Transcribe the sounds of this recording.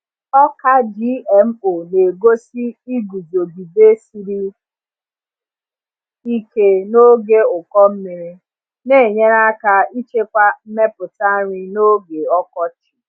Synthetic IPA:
ɔ˦ka˦d͡ʒi˦ɛ˨m̩˦o˨ne˨ɡo˦si˦i˦ɡu˨zo˨ɡi˨be˦si˨ɾi˦ | i˦ke˦no˦ɡe˦ʊ˨kɔ˦m̩˦me˨ɾe˦ | ne˦˨ɲe˦ɾa˦ka˦i˦t͡ʃe˦kʷa˦m̩˦me˦pʊ˨ta˦ɾi˦no˦ɡe˨ɔ˦kɔ˦t͡ʃi̥˨

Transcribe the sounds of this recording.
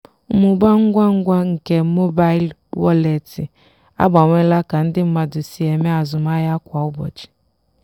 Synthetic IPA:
mʊ˨ba˦ŋ̩˦ɡʷa˦ŋ̩˦ɡʷa˦ŋ̩˨ke˦mo˦ba˦i˦l | wɔ˦le˨ti˨ | a̰˦ɡ͡ba˨ŋʷe˦la˦ka˨n̩˦dɪ˦m̩˦ma˨dʊ˨si˨e˨me˦a˨zʊ˨m˦a˦ja˦kʷa˨ʊ˦bɔ̰˨t͡ʃi̥˨

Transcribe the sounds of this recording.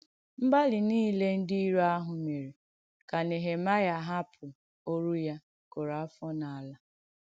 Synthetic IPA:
m̩˦ba˦lɪ˨niː˦le˦n̩˦di˦i˦ɾo˦a˦ɦʊ˨me˨ɾe˨ | ka˨ne˨ɦe˨ma˦ja˦ɦa˦pʰʊ˨ | o˦ɾu˦ja˦ | ko˨ɾa˨˦fɔ˦na˨a˨la˦

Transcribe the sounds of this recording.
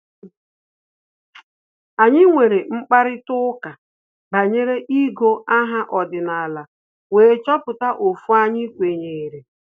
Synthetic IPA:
a˨ɲɪ˦ŋʷe˨ɾe˨ŋ͡m̩˦k͡pa˦ɾɪ˦tʊ˦ka˨ | ba˨ɲe˦ɾe˦ʔi˦ɡo˦a˦ɦa˦ʔɔ˨dɪ˨na˨la˨ | weː˨˦t͡ʃɔ˦pʊ˨ta˦ʔo˨fu˦a˦ɲɪ˦kʷe˨ɲe˨ɾe˨

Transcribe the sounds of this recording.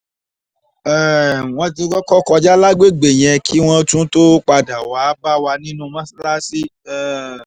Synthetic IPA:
ɛ˦˨w̃ɔ̃˧tĩ˧˦kɔ˦kɔ˦kɔ˧d͡ʒa˦la˦ɡ͡be˦˨ɡ͡be˨j̃ɛ̃˧kʰi˦w̃ɔ̃˦tũ˦to˦k͡pa˧da˨wa˨˦ba˦wa˧nĩ˦nũ˧mã˦si˦la˦si˦ɛ˨

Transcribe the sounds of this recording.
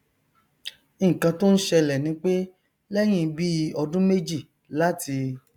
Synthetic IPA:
ĩ˦˨kã˧to˦n̩˦ʃɛ˧lɛ˨nĩ˨˦k͡pe˦ | lɛ˦j̃ĩ˦˧˦bi˦˧˦ɔ˧dũ˦me˦d͡ʒi˦˨ | la˦ti˧

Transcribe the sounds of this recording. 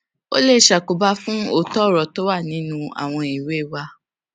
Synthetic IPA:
o̰˦le˦˨ʃa˨ko˨ba˧fũ˦o˦˨tɔ˦˨ɾɔ˨to˦wa˦˨nĩ˨˦nũ˦a̰˨w̃ɔ̃˧i˨we˨˦˨wa˧

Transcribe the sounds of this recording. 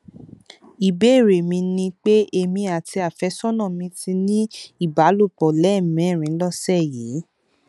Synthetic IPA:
i˨be˦˨ɾe˨mĩ˧nĩ˧k͡pe˦e˧mĩ˧a˨ti˧a˨fɛ˨˧˦sɔ˦nã˦˨mĩ˧ti˧nĩ˦i˦˨ba˨˦lo˦˨k͡pɔ˨lɛ˨˦˨mɛ̃˨˦˨ɾ̃ĩ˨˦lɔ˦sɛ˦˨jiː˨˦

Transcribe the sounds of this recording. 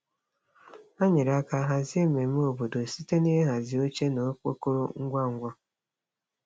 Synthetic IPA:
a˦ɲɪ˨ɾa˦ka˦ɦa˦zɪ˦e˦me˨m˦o˨bo˨do˨si˦te˦ne˦ɦe˦ɦa˨zɪ˨o˦t͡ʃe˦no˨˦k͡po˦ko˦ɾo˦ŋ̩˦ɡʷa˦˨ŋ̩˦ɡʷa˦

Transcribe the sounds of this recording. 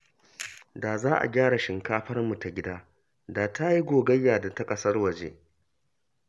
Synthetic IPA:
daː˨zaː˦ʔa̰˨ɡʲaː˦ɽa˨ʃɪ˨ŋkaː˦ɸɐ˦rmu˨ta˨ɡʲɪ˦daː˦ | daː˨tʰa˦ji˦ɡʷoː˨ɡɐ˦jːaː˨da˨ta˦kʼɐ˦sɐ˦rwɐ˨d͡ʒḛ˦

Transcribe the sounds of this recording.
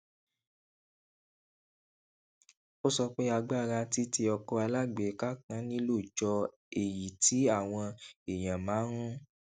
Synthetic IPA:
o˦sɔ˧k͡pe˦a˧ɡ͡ba˦˨ɾa˧ti˦ti˧ɔ˧kɔ˧a˧la˦ɡ͡be˨˦ka˦kã˦nĩ˦lo˦˨d͡ʒɔ˧˦ | e˨ji˨ti˨˦a˦˨w̃ɔ̃˧e˨j̃ã˨mãː˨˦ɾũ˦

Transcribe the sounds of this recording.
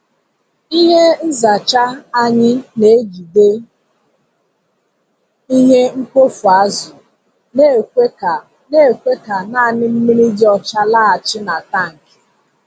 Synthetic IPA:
i˦ɦe˦n̩˦za˨t͡ʃa˦a˦ɲɪ˦ne˨e˦ɡi˨de˦ | i˦ɦe˦ŋ̩˦kʷo˦fu˨a˦zʊ˨ | ne˦˨kʷe˦˨ | e˦˨kʷe˦ka˨na˦a˨nɪ˦m̩˦mi˦ni˦di˦ɔ˨t͡ʃa˦la˦˨a˨t͡ʃɪ˦na˨ta˦ŋ̩˨kɪ̥˨

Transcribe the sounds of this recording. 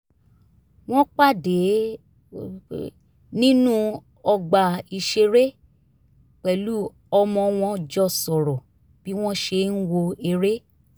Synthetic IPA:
w̃ɔ̃˦k͡pa˦˨de˨˦ | nĩ˦nũ˦ | ɔ˧ɡ͡ba˨i˧ʃe˧ɾe˦ | k͡pɛ˨˦lu˦ | ɔ˧mɔ̃˧w̃ɔ̃˧d͡ʒɔ˧sɔ˨ɾɔ˨ | b̥i˦w̃ɔ̃˦ʃe˧n̩˦wo˧e˧ɾe˦

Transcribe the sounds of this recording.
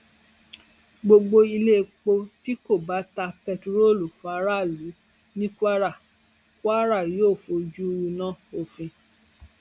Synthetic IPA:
ɡ͡bo˧ɡ͡bo˧i˧le˦˨˧k͡po˧ti˦ko˦˨ba˨˦ta˧pɛ˧tu˧ɾo˦˨lu˨fa˨˧˦ɾa˦˨lu˨˦ | nĩ˦kʷa˦ɾa˦˨ | kʷa˦ɾa˦˨joː˦˨fo˧d͡ʒu˦˧wu˧nã˦˨o˨fĩ˧

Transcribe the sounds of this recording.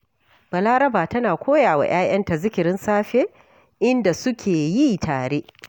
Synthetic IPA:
b̥ɐ˨laː˦ɾɐ˦baː˨tɐ˦naː˨kʷʰoː˦jaː˨wa̰ː˨j̰aː˦j̰ɐ˦nta˨zɪ˦kʲɪ˨ɾɪ˦nsaː˦ɸeː˦ | ʔɪ˦nda˨sʊ˦kʲʰeː˨ji˦tʰaː˨ɽe˦ʔ

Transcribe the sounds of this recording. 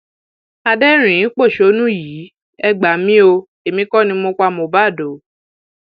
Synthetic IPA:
a˧dɛ˦ɾ̃ĩ˨˦k͡po˦˨ʃo˨˦nũ˦jiː˨˦ | ɛ˦ɡ͡ba˨mĩ˦o˧ | e˨mĩ˧˦kɔ˦˨nĩ˧mo˧kʷa˧mo˧˨ba˦˨do˨˦

